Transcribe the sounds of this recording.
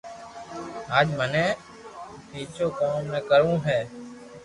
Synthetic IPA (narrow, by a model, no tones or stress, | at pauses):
aːd͡ʒmənẽː | iːt͡ʃoːkoːmnəːkəɾũːɦeː